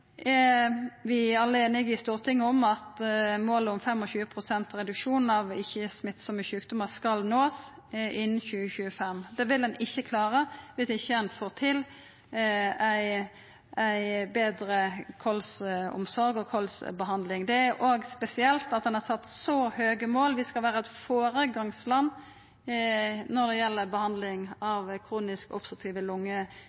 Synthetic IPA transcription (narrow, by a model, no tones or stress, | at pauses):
ʋɪɑlːəeːnɪɡɪst̪uːʁt̪ʰɪŋːəɔmɑt̪moːləʊmfɛmːɔçʉːəpʰʁʊsɛnt̪ɾɛd̪ʉkʂuːnn̩ɑʋɪçːəsmɪt̪ːsɔmɪʃʉːkd̪ʊməskɑlnoːs | ʔɪnːn̩çʉːəçʉːəfɛmd̪ɛːʋɪld̪ɛnɪçːəkʰlɑːɾəʋɪsɪçːəænfoːʁt̪ʰɪl | æɪ | æɪbeːd̪ɾəkʰɔlsʊ̰msɔɾɡɔkʰɔlsbəɦɑnd̪lɪŋd̪ɛæɾʔoːɡspɛsɪɛlt̪ɑt̪̚d̪ɛnhɑʁsɑt̪ːsɔhøːɡəmoːlʋɪskɑlʋæːʁəɛt̪foːɾəɡɑŋslɑnː | nɔʁd̪ɛjɛlːəbəhɑnd̪lɪŋɑʋkʰɾuːnɪskɔ̰psət̪ʰiːʋəlʊŋːə